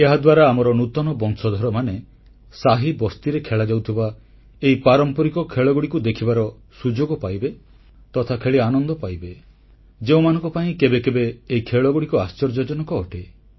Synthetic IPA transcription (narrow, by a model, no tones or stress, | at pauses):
eɦad̪waɾaːmɔɾɔnut̪ɔnɔbɔŋsɔd̪ʱɔɾɔmane | saɦibɔst̪iɾekʰeɭad͡ʒawt̪ʰiba | eipaɾɔmpɔɾikɔkʰeɭɔɡuɽikud̪ekʰibaɾɔsud͡ʒoɡɔpajbe | t̪ɔt̪ʰakʰeɭianɔnd̪ɔpajbe | d͡ʒeũmanɔ̃ŋkɔpaĩkebekebeːikʰeɭɔɡuɽikɔast͡ʃɔɾd͡ʒɔd͡ʒɔnɔkɔːʈe